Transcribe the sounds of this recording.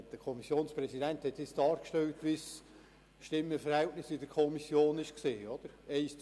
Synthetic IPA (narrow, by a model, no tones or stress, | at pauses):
d̥əkʰɔmisjoːnspɾɛsidɛnthɛt̪sɪsd̥ɑːɾkʃtɛlt̪ʋis | ʃtɪmːəfəɾhɛltnɪsɪd̥əɾkʰɔmisjoːnɪʃkseːɔd̥̪əɾɛɪs